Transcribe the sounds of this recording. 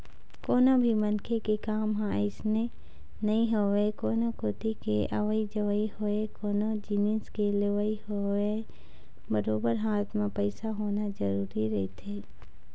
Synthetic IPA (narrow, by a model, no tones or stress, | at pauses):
koːnabʱimɐnkʰekekaːmɦãɪsne | nɐɦĩɦowekoːnokoːt̪ikeʔə̰ʋəid͡ʒəʋəihoekoːnod͡ʒiniskeləʋaiɦoe | bəɾoːbəɾɦaːt̪ʰmẽpəɪsaɦoːnad͡ʒəɾuːɾiɾɐit̪ʰeː